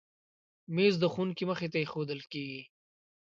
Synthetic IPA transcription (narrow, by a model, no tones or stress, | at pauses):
mezd̪əxunkiməxet̪ajexod̪əlkeɡi